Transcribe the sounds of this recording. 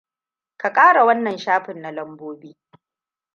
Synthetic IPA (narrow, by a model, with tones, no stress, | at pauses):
ka˨kʼaː˦ɽa˨wɐ˦nːɐ˨nʃaː˦ɸɪ˨nːa˨lɐ˦mboː˦biː˦